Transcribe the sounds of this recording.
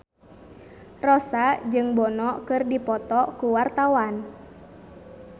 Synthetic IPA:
rɔsad͡ʒɨŋbɔnɔkɨrdipɔt̪ɔkuwart̪awan

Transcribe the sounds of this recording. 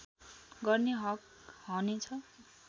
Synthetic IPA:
ɡʌrneɦʌk̚ɦʌnet͡sʰʌ

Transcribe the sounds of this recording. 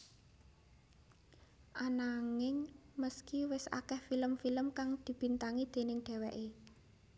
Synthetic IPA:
ʔanaŋɪŋməskiwɪsa̰kɛhfiləmfiləmkaŋd̪̥i̤b̥i̤nt̪aŋid̪̥e̤nɪŋɖ̥ɛ̤wɛʔe

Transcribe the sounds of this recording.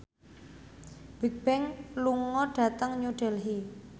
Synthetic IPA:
b̥ɛ̤k̚b̥ɛŋluŋɔɖ̥a̤t̪əŋɲuɖ̥ɛ̤lɦi

